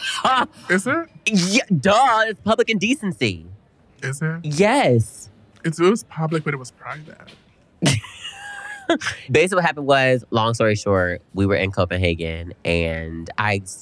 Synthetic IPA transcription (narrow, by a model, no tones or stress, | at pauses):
ɪzɪt̚jɛdʌɪzspʰʌblɨkɨ̃ndisnsi | ɪzɪt̚jɛs | ɨtsɪspʰʌblɨk̚b̥ʌɾɨt̚wʌz̥pʰɹ̥aɪvɨ̰t̚ | beɪsɨklihæpn̚wʌzlɔ̃ŋstɔɹiʃɔɹ̚wiwə˞ʔɨ̰̃nkʰoʊpɨ̃nɦeɪɡɨ̃nʔɨ̃nda̰ɪ